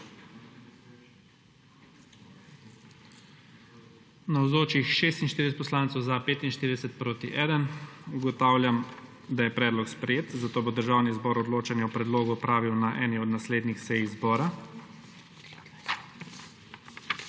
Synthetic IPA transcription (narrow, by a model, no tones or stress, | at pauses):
nawzoːt͡ʃixʃeːst̪inʃt̪iɾd̪ɛsɛt̪pɔslaːnt̪sɔwzapeːt̪inʃt̪iːɾid̪ɛsɛt̪̚pɾoːt̪iʔɛːd̪ənuɡɔt̪aːwlʲjam | d̪ajɛpɾɛːd̪lɔkspɾɛjeːt̪zat̪oːbod̪əɾʒaːwnizbɔːɾɔd̪loːt͡ʃanjɛɔpɾɛd̪loːɡuɔpɾaːʋiwnaʔɛːniɔd̪nasleːd̪nixsɛjizbɔːɾa